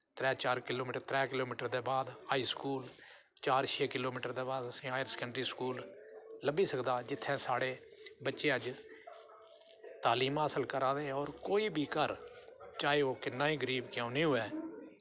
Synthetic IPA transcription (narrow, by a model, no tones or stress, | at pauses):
t̪ɾɛːt͡ʃaːɾkɪloːmiːʈɾt̪ɾɛːkɪloːmiːʈəɾd̪eːbaːd̪haːiːskuːl | t͡ʃaːɾʃʰeːkɪloːmiːʈəɾd̪eːbaːd̪əsĩːaːjəɾskəɳɖɾiːskuːlləbiːsəkd̪aːd͡ʒɪt̪ʰːɛ̃ːsaːɽeː | bətːʃeːəd͡ʒ | t̪aːliːmãːsəlkəɾaːd̪eːɔːɾkoːiːbʱiːkəɾt͡ʃaːeːoːkɪnːaːĩːɡəɾiːbkjãːũnĩːɦʊɛː